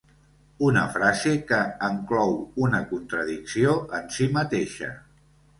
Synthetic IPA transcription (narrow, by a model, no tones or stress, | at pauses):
unə̰fɾazekəːŋklɔwunəkunt̪ɾəðiksioənsimət̪eʃə̰